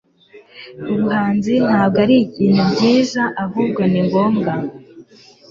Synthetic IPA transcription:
uβuɦaːnzin̥haːb̚ɡaɾiɟiːnhubɟiːzaʔaɦuːbɡo̞niŋɡo̞ːmɡa

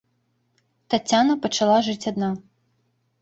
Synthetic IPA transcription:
t̪at͡sʲːanɐpɐt͡ʂalˠaʐɨt͡sʲad̪na

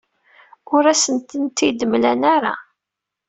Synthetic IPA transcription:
ʊɾæsənt̪ənt̪id̪əmlænaɾa̰

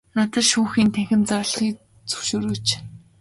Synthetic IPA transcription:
nat̪ə̆rʃuːŋxiːnt̪ʰæxʲɪ̆nt͡sɔrɮ̆χiːk̚ | t͡sɵ̥wʃoːɾɵ̆t͡ɕ

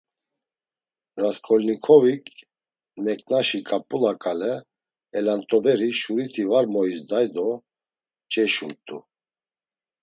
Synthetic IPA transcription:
ɾaskʰʼɔlnikʰɔvikʼ | nɛkʼnaʃikʼapʼulakʼalɛ | ɛlant̪ʼɔbɛɾiʃuɾit̪ʰivaɾmɔisd̪ajd̪ɔ | t͡ʃʼɛʃuɾt̪ʼu

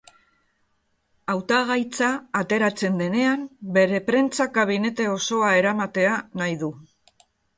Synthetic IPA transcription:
awt̪aɣ̞ajt͡saːt̪e̞ɾat͡se̞nd̪e̞ne̞ambe̞ɾe̞pɾe̞nt͡sakaβ̞ine̞t̪e̞o̞so̞ae̞ɾamat̪e̞anajðu

